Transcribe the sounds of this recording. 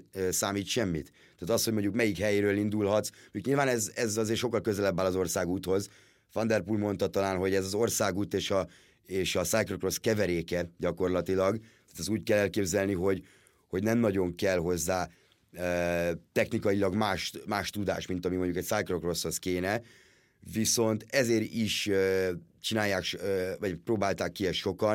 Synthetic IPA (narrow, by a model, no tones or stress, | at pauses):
saːmiːt̪ʃɛmːḭt̪ | t̪ːaːt̪ɒshoɟmo̞ɲɟukmɛjikhɛjeːɾøːlind̪ulɦɒt̪smoukɲiːlvaːnɛzɛzɒzeːrʃokːɒlkøzɛlɛbːaːlɒzo̞rsaːɡuːt̪ho̞z | fɒnd̪ɛrpulmo̞nt̪ɒt̪ɒlaːnɦo̞ɟɛzɒzo̞rsaːɡuːt̪eːʃɒ | eːʃɒsaːjkrokro̞skɛvɛɾeːkɛɟɒko̞rlɒt̪ilɒɡt̪aːt̪ɛzuːɟkɛlːɛlkeːbzɛlniɦo̞ɟ | ho̞ɟnɛmnɒɟo̞ŋkɛlɦo̞zːaː | øt̪ɛxnikɒjilɒɡmaːʃmaːʃt̪ud̪a̰ːʃmint̪ɒmimo̞ɲɟukɛcsajkro̞kro̞sho̞skeːnɛ | viso̞nt̪ɛzeːɾiʃø | t͡ʃinaːjːaːkʃøvɒɟproːbaːlt̪aːkːiɛʃʃo̞kɒn